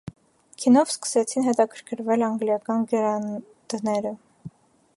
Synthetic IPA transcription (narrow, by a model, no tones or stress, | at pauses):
kʰinɔvskə̥sɛt͡sʰinɦɛt̪ɑkʰəɾkʰəɾvɛlɑŋɡljɑkɑnɡɛɾɑ | d̪̥nɛɾə